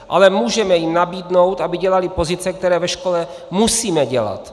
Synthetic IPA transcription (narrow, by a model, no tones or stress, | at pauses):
ʔalɛmuːʒɛmɛjɪmnabiːdno̞wt̪ʔabɪɟɛlalɪpo̞zɪt͡sɛkt̪ɛɾɛːvɛʃkolɛ | musiːmɛɟɛla̰t̪